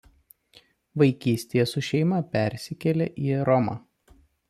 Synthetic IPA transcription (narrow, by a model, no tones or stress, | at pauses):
ʋɐɪkʲiːsʲt̪ʲejɛsʊʃʲɛɪmɐpʲɛˑɾʲsʲɪkʲɛlʲeʔiːɾɔmɑ̰ː